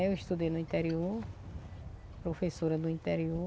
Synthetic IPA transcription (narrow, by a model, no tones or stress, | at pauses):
ewiʃt̪ud̪ejnʊĩt̪ɛɾioɾ | pɾofesoɾɐd̪ʊĩnt̪ɛɾio